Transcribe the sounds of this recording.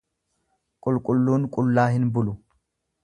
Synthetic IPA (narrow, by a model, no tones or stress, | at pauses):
kʼʊlkʼʊlːuːnkʼʊlːaːɦɪnbʊlʊ